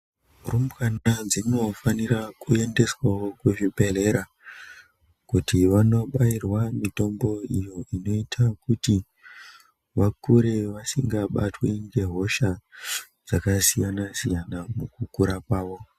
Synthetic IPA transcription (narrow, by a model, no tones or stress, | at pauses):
rumkanad͡zino̞faniɾakue̞nde̞swawo̞kuʐipe̞le̞ɾa | kutiʋano̞ɓairwamito̞mbo̞ijo̞ʔino̞itʰakuti | ʋakuɾe̞ʋasiŋɡaɓa̰tweŋɡe̞ɦo̞ʃa | d͡zakasijanasijanamukukuɾakwaːʋo̞